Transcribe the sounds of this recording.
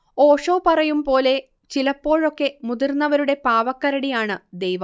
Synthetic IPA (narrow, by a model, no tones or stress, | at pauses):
oːʂo̞ːpɐrɐjumpo̞ːle̞ | t͡ɕilɐpːo̞ːɻo̞kːe̞mud̪irnːɐʋɐɾuɽe̞paːʋɐkːɐɾɐɽijaːɳɨd̪ejʋɐ